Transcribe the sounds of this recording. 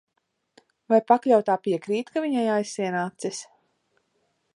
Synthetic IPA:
vajpaklʲawt̪ːaːpiɛkɾiːt̪kavʲiɲajajsiɛnaːt̪sis

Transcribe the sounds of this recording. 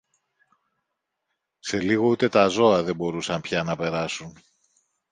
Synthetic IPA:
se̞liɣo̞ut̪e̞t̪ɐzo̞ɐðe̞mbo̞ɾusɐnpçɐnɐpe̞ɾɐsun

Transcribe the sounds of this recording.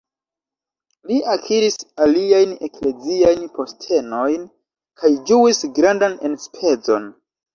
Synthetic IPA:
liakʰiɾisaliajne̞kle̞ziajnpo̞stʰe̞no̞jn | kʰajd͡ʒuisɡɾandane̞nspʰe̞d͡zo̞̰n

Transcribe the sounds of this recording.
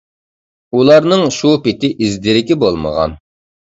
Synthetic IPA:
ulˠɑɾnɨŋʃupɪt̪ʰɪʔizd̪ɪɾɪkʲibolˠmə̰ʁɑ̰n

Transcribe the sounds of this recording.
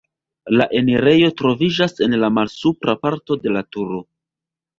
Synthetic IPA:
laʔe̞neɾe̞jo̞tɾo̞vid͡ʒase̞nlamalsupɾapaɾto̞de̞latuɾo̞

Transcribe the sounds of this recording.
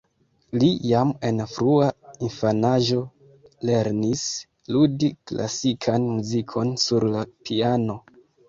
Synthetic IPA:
lijame̞nfɾuainfanaʒo̞ | le̞ɾnis | ludikla̰sikʰanmuzikʰo̞nsuɾlapʰiano̞

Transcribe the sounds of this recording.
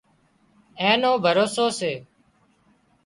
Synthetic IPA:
ẽːnõːbʱəɾoːsoːseː

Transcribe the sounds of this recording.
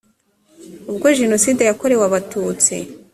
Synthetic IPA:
ubɡoʒeno̞siːde̞jako̞ɾe̞waβatuːt͡sḭ

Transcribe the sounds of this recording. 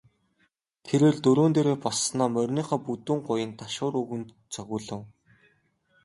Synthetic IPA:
t̪ʰeɾeːrt̪ɵɾoːnt̪eːɾeːpɔɮsnɔːmœrʲniːχaːput̪uːŋɢʊjə̆nt̪aʃʊːɾuɣɘ̆nt̪ | t͡sʰœɣʲʊːɮə̆w

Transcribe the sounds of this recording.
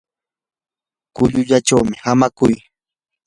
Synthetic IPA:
kʊʎʊʎat͡ʃawmɪhamakʊj

